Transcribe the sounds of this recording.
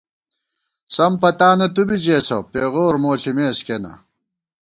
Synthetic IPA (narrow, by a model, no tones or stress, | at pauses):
sɐmpɐt̪aːnɐt̪ubid͡ʑeːsɐ̰peːʁoːɾmoːɬimeːskenɐ̰